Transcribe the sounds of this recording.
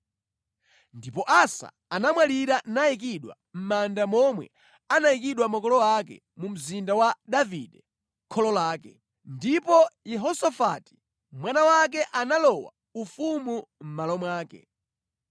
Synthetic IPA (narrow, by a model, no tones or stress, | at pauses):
ndipɔʔasa̰ | anamwaliɾanaik̬iɗwa̰ | m̩mandamɔmwɛ̰ | anaik̬iɗwamakɔlɔwakɛ̰ | mum̩zindawaɗaviɗɛ | kʰɔlɔlaːkɛ | ndipɔjɛɦɔsafati̥ | mwanawak̬ɛʔanalɔwa̰ | ufumum̩malɔmwaːkɛ̰